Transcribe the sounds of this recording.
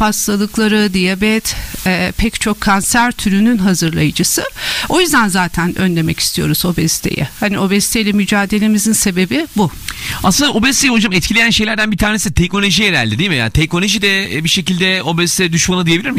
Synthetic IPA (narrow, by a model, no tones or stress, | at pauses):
pʰaslˠalˠɯklˠaɾɯd̪ijabɛt̪ɛːpʰɛct͡ʃʰo̞kʰːansæɾt̪ʰyɾynynɦazɯɾlˠajɯd͡ʒɯsɯo̞jyzd̪ænzaːt̪ʰænʔø̞nlʲe̞mɛci̥st̪ʰijo̞̰ɾuzo̞bɛst̪ʰe̞̰jɛ̰hanio̞bɛst̪ʰejlʲɛmyd͡ʒaːd̪e̞lʲe̞mizinse̞be̞bibua̰sɯnd̪aobɛst̪ejiod͡ʒamɛt̪̚cʰilʲe̞jænʃe̞jlʲæɾd̪ænbit̪ʰaːnesit̪ʰɛcno̞lo̞ʒijeɾælʲd̪ɛd̪ijmija̰nt̪ʰɛc̚no̞lʲoʒid̪ɛbiʃe̞cilʲd̪ɛo̞bɛst̪ʰɛd̪yʃmanɯd̪ijebilʲiɾmi